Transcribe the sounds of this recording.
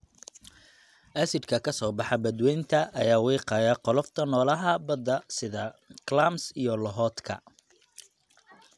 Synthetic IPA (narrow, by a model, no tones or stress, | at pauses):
ʔɐsɪd̪kʰɐkʰɐsɔːbɑħɑbɐd̪wɛjnt̪ʰɐʔɐjaːwiːqɑːjaːqɔlɔft̪ʰɐnɔːlɐɦɐbɐd̪ɐsɪðɐklamsijɔlɔɦɔːt̪kʰɐ̰